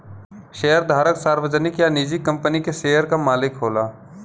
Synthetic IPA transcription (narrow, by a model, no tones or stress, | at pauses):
ʃeːəɾd̪ʱaːɾəksaːɾwəd͡ʒənɪkjanid͡ʒikɐ̃mpənikeʃeːjəɾkamaːlɪkɦoːlaː